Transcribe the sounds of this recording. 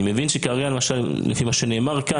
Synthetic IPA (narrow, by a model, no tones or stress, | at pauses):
me̞vinʃekaʁjalemaʃal | lḛfimaʃene̞ːmaʁka